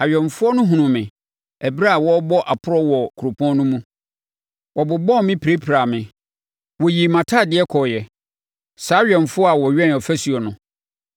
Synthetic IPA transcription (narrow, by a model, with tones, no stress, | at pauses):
a˨ɥᶣɛ˨n˨fʊ˦ɔ˦nʊ̃˦ɦũ˨nʊ̃˨mɪ̃˨ | æ˨bɾa˦a˨wɔ˦bɔ˦ʔa˨pʰʊ˦ɾɔ˦wɔ˨kʰu˨ɾo˨pʰɔ̃˦n˦nʊ̃˦mũ˦ | wʔɔ˨bʊ˨bɔ̃˦˨˦mɪ̃˦pʰi˨ɾe˦pʰɾa˨mɪ̃˨ | wɔ˨ji˨mã˨tʰaː˦˨dɪ˦ɛ˦kʰɔ˨jɛ˨ | saː˨˦ɥᶣɛ̃˨ɱ˨fʊ˦ɔ˦a˨wɔ˨ɥᶣɛ̃˦n˨ɔ˨fæ˦su˨ɔ˨nʊ̃˨